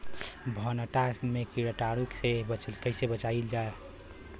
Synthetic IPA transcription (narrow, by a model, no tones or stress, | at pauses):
bʱənəʈamekiɾəʈaɾuksebət͡ʃəlkəɪsebət͡ʃaild͡ʒae